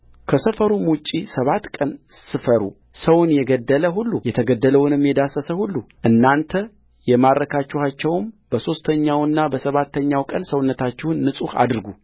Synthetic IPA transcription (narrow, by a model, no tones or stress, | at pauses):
kʰəsəfəɾumut͡ʃʼːisəβat̪kʼənsɨfəɾṵ | səwnjɛɡəd̪ːələɦulːujɛt̪ʰəɡəd̪ːələwnɨmjɛd̪asəsəhulːuʔɨnːant̪ʰə | jɛmaɾːəkʰat͡ʃːuhat͡ʃːɛwmbəso̞st̪ʰəɲːawɨnːabəsəβat̪ʰːəɲːawkʼənsəwnːət̪ʰat͡ʃːɛhʊnːɨsʼuha̰d̪ɨɾɡu